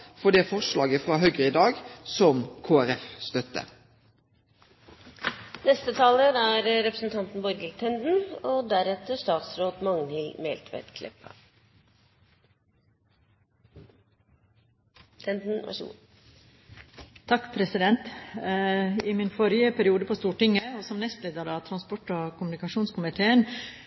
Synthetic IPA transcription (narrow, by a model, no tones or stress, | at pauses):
fɔɖ̪eːfɔʂlɑːɡəfʁɑːɦœʏɡəʁɪd̪ɑːɡsɔmkʰoːæʁɛfst̪œt̪ə̰ | nɛst̪ət̪ʰɑːləɾæːɾɾɛpɾəsn̩t̪ʰɑnt̪n̩bɔɾɡət̪ʰɛnd̪n̩od̪æɾɛt̪əʂt̪ɑːt̪sɾoːt̪mɑŋnhɪlmɛ̰ːlt̪ʰʋæ̰t̪kʰlɛ̰pʰə̰ | t̪ʰɛnd̪n̩ʋɑ̰ʂɡṵ | t̪ʰɑkːpʰɾɛsɪd̪ɛnt̪ | ɪmɪnfɔɾjəpʰæɾɪuːd̪əpʰoːst̪uːʈɪŋəɔsɔmnɛst̪leːd̪əɾɑt̪ʰɾɑnspɔʈːoːkʊmnɪkɑʃuːnskʊmɪt̪ʰeːən